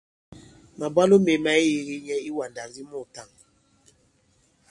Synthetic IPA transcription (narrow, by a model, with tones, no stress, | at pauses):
ma˨ba˦lu˦me˨ma˨i˦ji˨ɣi˦ɲɛ˦i˦wa˨n˨da˨ŋ˨ɡi˦mɔ˦˨ta˦˨ŋ